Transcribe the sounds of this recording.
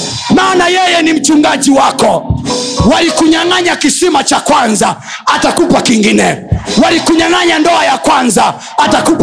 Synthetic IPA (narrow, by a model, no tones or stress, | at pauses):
maːnajɛjɛnim̩t͡ʃuŋɡaʄiwakɔ | walikuɲaŋaɲakisimat͡ʃakwanza | atakupakiŋɡinɛwalikuɲaŋaɲandɔajakwanzaː | takup